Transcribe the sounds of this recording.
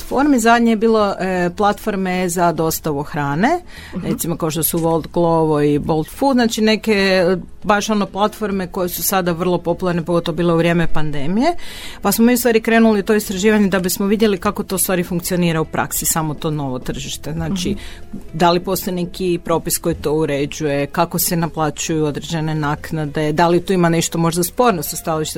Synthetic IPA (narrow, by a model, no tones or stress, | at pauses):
foɾmizad̪ɲijebiːlo̞plˠat̪foɾme̞zad̪o̞st̪aʋuxɾaːne̞ | ɾet̪simo̞kao̞ʃt̪osuʋo̞lˠd̪ɡlˠoʋoibo̞lˠt̪fud̪znaːt͡ʃine̞ke̞ | baʃo̞noplˠat̪fo̞ɾme̞ko̞jesusad̪aʋər̩lˠo̞po̞pulˠaɾnepoɡo̞t̪oʋobilouʋɾje̞ːme̞pand̪e̞mije̞pasmomiust̪ʋaːɾikɾe̞ːnuliut̪o̞ist̪ɾaʒiːʋaɲed̪abismoʋid̪je̞likako̞t̪o̞ust̪ʋaːɾifuŋkt̪sio̞niːɾaupɾʔa̰ksisamot̪o̞ːno̞ʋo̞t̪r̩ʒiʃt̪e̞znaːt͡ʃid̪alipo̞st̪ojene̞kipɾo̞pisko̞jit̪o̞uɾe̞d͡ʑuje̞kako̞senaplˠat͡ɕujuo̞d̪ɾe̞d͡ʑe̞ne̞naːknad̪e̞d̪alit̪uimaneʃt̪o̞mo̞ʒd̪aspo̞ɾnost̪st̪aliʃt̪